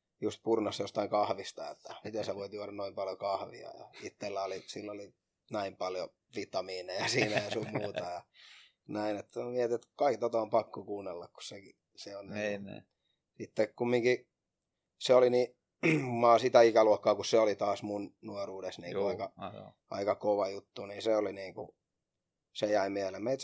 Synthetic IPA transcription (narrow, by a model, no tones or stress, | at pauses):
just̪̚purnɑsjost̪ɑiŋkɑhʋist̪ɑḛt̪ːæmit̪eseʋoit̪juɑɾɑnnoimpɑljokɑhʋḭɑ̰jɑ̰it̪ːelːæolisilːoli | næimpɑljo̰ | ʋit̪ːɑmiːnejɑsiːnæjɑsumuːt̪ɑjɑ | næinet̪ːomiet̪iet̪kɑikt̪ot̪ɑompɑkːokuːnːelːɑkku̥sseki | seonniː | sit̪ːekkumːiŋki | seolini | umɑːsit̪æikæluokːɑːkusseolit̪ɑːsmunnuoruːdesniːŋuɑikɑ | ʔɑ̰ikɑkoʋɑjut̪ːuniːnseoliniːŋkṵ | sejæimiehelemeit̪